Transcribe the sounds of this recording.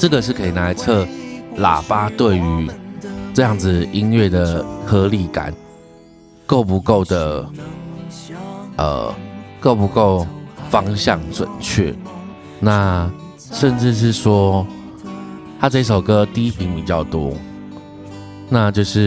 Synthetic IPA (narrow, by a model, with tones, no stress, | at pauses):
ʈ͡ʂɤ˥˨˩ɡə˨˩ʂ̬ɻ̩˥˩kʰə˧˥i˨˩na˧˥ɪt͡sʰɤ˥˩la̰˨˩pa˥t̪we˥˩ɪy˧˥ʈ͡ʂɤ˥˧jɑ˥˩ŋd͡zɹ̩˨˩i˦˥nɥɛ˥˩d̪ə˩xɤ˧˥li˧˩ka̰˨˦n | ko˥˩ʊpu˧˥ko˥˩ʊd̪ə˩ | ʔə̰˨˩ko˥˩ʊpu˧˥ko˥˩ʊfɑ˥ŋɕjɑ˥˨˩ŋʈ͡ʂwə̰˨˩nt͡ɕʰɛ̰˥˩ | na˥˨ | ʂə˥˧nʈ͡ʂɻ̩˥˧ʂ̬ɻ̩˥˩ʂwɔ˥ | t̪ʰa˥ʈ͡ʂɤ˥˧i˥˩ʂ̬o˨˩ʊkɤ˥t̪i˥pʰi˨˥˦ŋpi˨˩t͡ɕjɑ˥˩ʊt̪wɔ̰˦˥ | na˥˧t͡ɕjo˥˧ʊʂɻ̩˥˨